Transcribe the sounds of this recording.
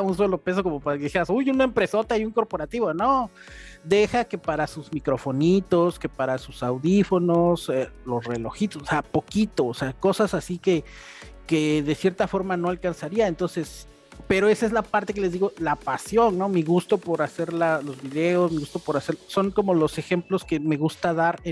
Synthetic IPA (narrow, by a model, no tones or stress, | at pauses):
aunso̞lo̞pe̞s̬o̞ko̞mopaɾkeðixeɾasujunaempɾe̞so̞t̪aiuŋko̞ɾpo̞ɾat̪iβono | d̪e̞xake̞paɾasuzmikɾo̞fo̞nit̪o̞ske̞paɾasusawðifo̞no̞selo̞sre̞lo̞xit̪o̞soseapo̞kit̪oːseako̞sasasike | ke̞ðe̞sje̞ɾt̪afo̞ɾmano̞alkansaɾiaent̪o̞nse̞s | pe̞ɾoe̞saezlapaɾt̪e̞k̬e̞lezðiɣo̞lapasjo̞nnːo̞miɣust̪o̞po̞ɾase̞ɾlalo̞zβiðe̞o̞smiɣust̪o̞po̞ɾase̞ɾso̞ŋko̞mo̞lo̞se̞xe̞mplo̞ske̞me̞ɣust̪aðaɾe